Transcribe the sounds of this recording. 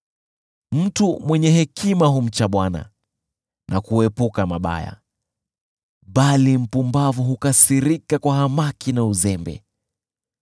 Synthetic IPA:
m̩tumwɛɲɛɦɛkʰimaɦum̩t͡ʃaɓwana̰ | nʔakuɛpukamaɓa̰ja̰ | ɓalim̩pumbavuɦukasiɾikakwahamakinauzɛmbɛ̰

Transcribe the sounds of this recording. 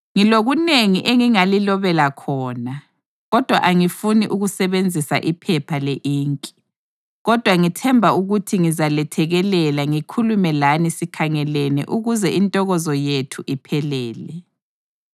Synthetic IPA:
ŋiloɣuneŋiʔeŋiŋalilɔβɛlakʰɔːna | ɣɔd̥ʱwa̰ʔaŋifuniʔuɣusɛβend͡zʱisa̰ʔipʰɛpʰaleʔiːŋkʼi̥ | ɣɔd̥ʱwaŋitʰɛmbʱauɣutʰiŋizalɛtʰɛɣɛlɛlaŋikʰulumɛlanisikʰaŋɛlɛnɛ̰ʔuɣuzɛʔintʼɔɣɔzɔjetʰuʔipʰɛlɛːlɛ

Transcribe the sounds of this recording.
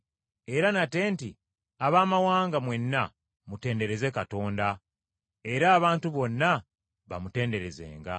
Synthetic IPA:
e̞ɾanate̞ːnti | aβaːmawaːŋɡamwe̞nːa | mute̞ːnde̞ɾe̞ze̞kato̞ːnda | e̞ɾaːβaːntuβo̞nːa | βa̰mute̞ːnde̞ɾe̞ze̞̰ːŋɡa̰

